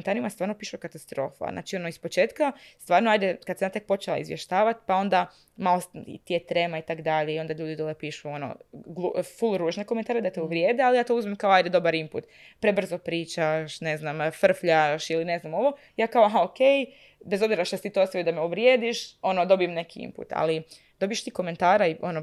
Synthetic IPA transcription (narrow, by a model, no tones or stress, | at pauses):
nt̪aːɾimast̪ʋaːɾnopiːʃukat̪ast̪ɾo̞ːfa̰zna̰ːt͡ʃio̞noispo̞t͡ʃe̞ːt̪kast̪ʋaːɾnoajd̪ekad̪semjat̪e̞k̚po̞t͡ʃelˠa̰ḭzʋjeʃt̪aːʋat̪i̥pao̞nd̪a | malosḭt̪ijet̪ɾemait̪akd̪aʎeio̞nd̪aʎuːd̪id̪olˠepiːʃuono̰ɡlˠufulˠɾuːʒnekome̞nt̪aːɾed̪at̪euʋɾʲjeːd̪ealijaːt̪o̞uzmemkaoajd̪ed̪o̞baɾimpṵt̪ | pɾebr̩zo̞pɾiːt͡ʃaʃne̞znamfr̩fʎaʃiline̞znamo̞ʋo̞ | jaːkaoɦaoke̞j | be̞zo̞bziɾaʃt̪aset̪it̪oosajid̪ameuʋɾjeːd̪iʃo̞nod̪o̞bijemne̞kiḭmpṵt̪a̰li | d̪o̞bijeʃt̪iːko̞me̞nt̪aːɾaio̞no